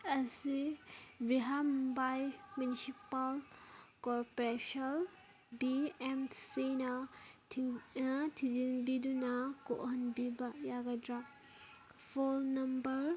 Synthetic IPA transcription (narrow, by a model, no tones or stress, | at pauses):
ɐsibiɦambajmjunisipalkɔɾpɔɾesɐl | biemsinɐ | nɐtʰizinbidunɐko̰ʔɦɐnbibɐjaɡadɾa | pʰolnɐmbɐɾ